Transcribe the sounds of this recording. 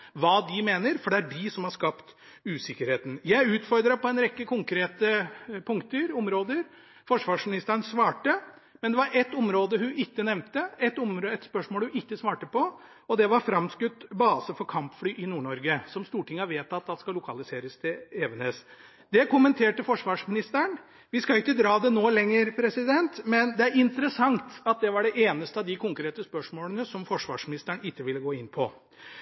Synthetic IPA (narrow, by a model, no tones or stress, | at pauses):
ʋɑːd̪ɪmeːnəɾfɔɖɛæɖɪsɔmhɑɾʂkɑpt̪ | ʉːsɪkːəɾheːt̪n̩jæɪʉːt̪fɔɾd̪ɾəpʰɔɛnɾɛkːəkʰʊŋkʰɾeːt̪əpʰʊŋkt̪əɾʊmɾoːd̪əɾ | fɔʂʋɑːʂmɪnɪst̪əɾnsʋɑːʈə | mɛnd̪ɛʋɑɾɛt̪ːɔmɾoːd̪əɦʉʔɪkːənɛʋnt̪əɛt̪ːɔmɾoɛt̪spœʂmoːlhʉɪkːəsʋɑːʈəpɔ | ɔd̪ɛʋɑɾfɾɑmskʉt̪ːbɑːsəfɔɾkʰɑmpflyːʔɪnuːɳɔɾɡəsɔmst̪uːʈʰɪŋːɑʋeːt̪ɑt̪̚d̪ɑskɑlʊkʰɑlɪseːɾəst̪ʰɛeːʋənes | d̪ɛkʊmənt̪ʰeːʈəfɔʂʋɑːʂmɪnɪst̪əɳ | ʋɪskɑʊɪkːəd̪ɾɑːd̪ɛnoːlɛŋːəɾpʰɾɛsɪd̪ɛnt̪mɛnd̪ɛæɾɪnt̪əɾəsɑŋt̪ɑt̪̚d̪ɛʋɑɖɛʔeːnəst̪əɑʋd̪ɪkʰʊŋkɾeːt̪əspœʂmoːlənəsɔmfɔʂʋɑ̰ːʂmɪnɪst̪æɳɪkːəʋɪlːəɡoːɪnːpʰɔ